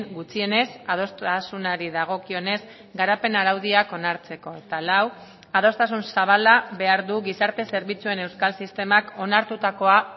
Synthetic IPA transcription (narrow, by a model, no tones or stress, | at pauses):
ŋɡut͡sie̞ne̞sað̞o̞st̪asunaɾiðaɣ̞o̞kio̞ne̞z | ɡaɾape̞naɾawð̞iako̞naɾt͡se̞ko̞et̪alaw | að̞o̞st̪asunsaβ̞alaβe̞aɾðuɣisaɾt̪e̞se̞ɾβit͡sue̞ne̞wskalsist̪e̞mako̞naɾt̪ut̪ako̞a